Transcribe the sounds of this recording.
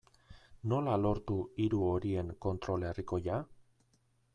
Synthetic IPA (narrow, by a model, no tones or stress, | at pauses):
no̞lalo̞ɾt̪uiɾuo̞ɾie̞ŋko̞nt̪ɾo̞leriko̞ja